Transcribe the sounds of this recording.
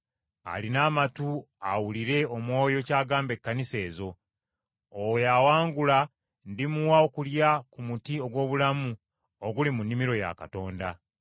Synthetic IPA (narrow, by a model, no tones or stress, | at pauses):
a̰linaːmatu | awuliɾe̞o̞mwo̞ːjo̞caːɡaːmbe̞kːanise̞ːzo̞ | owejawaːŋɡula | ndimuwao̞kuljakumutio̞ɡwo̞ːβulamu | oɡulimunːimiɾo̞ja̰ka̰to̞ːnda